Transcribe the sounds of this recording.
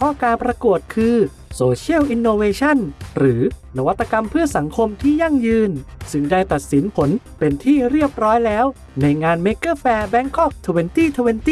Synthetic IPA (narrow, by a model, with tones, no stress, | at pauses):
pʰɔ˦˥kaː˧npɾa˧ku˨˩ət̪̚kʰɯː˧ | soː˧t͡ɕʰi˥˩əwʔi˧nːoː˧weː˧t͡ɕʰa˥˩nɾɯː˩˦na˧wa˦˥t̪ːa˧ka˧mpʰɯ˥˩ɐsa˩˦ŋkʰo˧mt̪ʰiː˥˩ja˥˩ŋjɯː˧nsɯ˥˩ŋdaː˥˩jt̪a˨˩t̪̚si˩˦npʰo˩˦n | pe˧nt̪ʰiː˥˩ɾi˥˩əp̚ɾɔː˦˥jlɛː˦˥w | na˧jŋaː˧nmeː˦˥kɤː˥˩fɛː˧bɛ˦˥ŋkʰɔ˥˩k̚t̪ʰu˧we˧nt̪iː˥˩t̪ʰu˧we˧nt̪iː˩˥˩